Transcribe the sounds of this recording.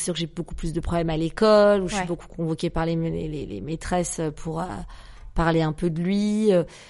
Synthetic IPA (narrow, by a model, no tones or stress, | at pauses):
syʁkʒebokuplys̬d̪əpχɔblɛmalekɔluʒəsɥboku̥kɔ̃vɔkʲepaʁlelḛlḛlḛmet̪χɛsøpʰuʁø̰ | paʁleɛ̃pød̪əlɥiø